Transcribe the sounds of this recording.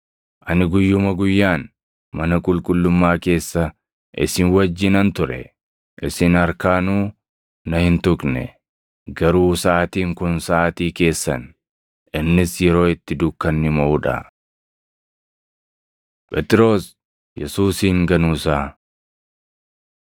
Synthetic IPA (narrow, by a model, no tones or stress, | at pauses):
ʔɐnɪɡʊjːʊmɐɡʊjːaːn | mɐnɐkʼʊlkʼʊlːʊmːaːke̞ːsːɐ | ʔɪ̰sɪnwɐd͡ʒːɪnɐnt̪ʊɾɛ̰ | ʔɪsɪnɐɾkaːnuː | nɐhɪnt̪ʊkʼnɛ̰ | ɡɐɾuːsaːt̪iːŋkʊnsaʔːt̪iːke̞ːsːɐ̰n | ʔɪnːɪsjɛɾo̞ːɪt̪ːɪd̪ʊkːɐnːɪmɐʔʊᶑɐ̰ | pʼɛt̪ʼɪɾo̞ːs | jɛsuːsiːŋɡɐnuːsaː